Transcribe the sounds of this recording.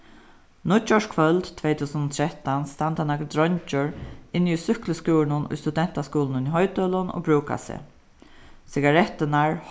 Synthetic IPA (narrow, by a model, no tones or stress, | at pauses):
nʊt͡ʃɔʃkʰvœlt̪t̪ʰvɛjt̪ʰuːsənʊt̪ʰɾɛht̪anst̪ant̪anakd̪ɾɔɲt͡ʃʊɹɪnːiʊsʏkləskuːɪnʊnʊ̰jst̪ud̪ɛn̥t̪askuːlnʊniɦɔjt̪œlʊnɔ̰ːbɹuːka̰sɪ̰ | sɪɡaɾɛt̪ːɪnaɹ